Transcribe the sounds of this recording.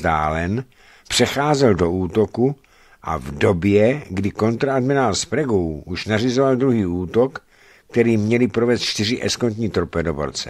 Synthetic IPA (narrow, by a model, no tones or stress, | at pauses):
da̰ːlɛn | pr̥ɛxaːzɛldo̞uːt̪o̞ku | ʔa̰vdo̞bjɛɡdɪko̞nt̪ɾaadmɪnaːlspɾaɡowuʃnarizovald̪ɾuɦiːuːt̪okː | t̪ɛɾiːmɲɛlɪpɾovɛːst̪t͡ʃt̪ɪr̝ɪʔɛ̰skont̪ɲiːt̪ɾopɛdovo̰ɾt͡sɛ